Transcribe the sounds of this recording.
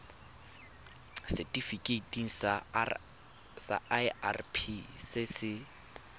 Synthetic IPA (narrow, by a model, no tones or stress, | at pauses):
sɪtʼifikʼetʼiŋ̩sa | sa̰aa̰rpʰisɪsɪ